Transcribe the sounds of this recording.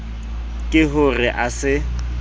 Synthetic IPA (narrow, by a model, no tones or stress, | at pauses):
kʼɪɦʊrɪʔasɪ